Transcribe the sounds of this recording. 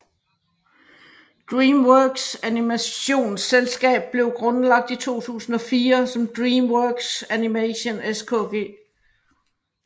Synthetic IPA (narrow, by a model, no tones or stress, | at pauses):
d̥ʁiːmwœːɡ̥sænimæɕo̝̰ːnselsɡ̥ɛ̰ːb̥̚ːle̝ʊɡ̥ʁɔ̽nəlɑ̈ɡ̥̚d̥it͡sʰo̝̰ːt͡sʰṵːsn̩ɒ̽fiːɐsɒ̽md̥ʁiːmwœɡ̥sænimæɕo̝neskʰɔ̰̽ːɡ̥e̝̰ː